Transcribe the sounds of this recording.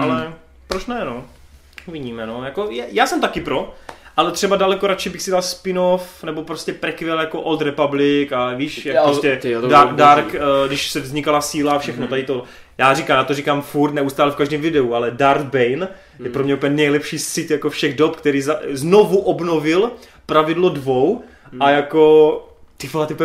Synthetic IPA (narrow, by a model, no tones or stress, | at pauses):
ʔalɛ | pɾot͡ʃnɛno | uvɪɟiːmɛnojakojɛjaːsɛmt̪akɪpɾoʔalɛt̪r̥ɛbadalɛkoɾat͡ʃɪbɪxsɪalspɪnofnɛbopɾoscɛpɾɛkvɛljakoʔot̪ɾɛpablɪkaviːʃjakɾostɛadaɾkɡdɪʃsɛvzɲɪkalasiːlafʃɛxnot̪adɪt̪o | jaːrikaːmjaːt̪orikaːmfuɾt̪nɛust̪aːlɛfkaʒdɛːmvɪdɛualɛdaɾɡ̚bɛjn | jɛpɾomɲɛupɲɛnɛjlɛpʃiːsɪt̪jakofʃɛɣdopkt̪ɛɾiːzaznovuʔobnovɪl | pɾavɪdlodvow | ajako | t̪ɪfat̪ɪp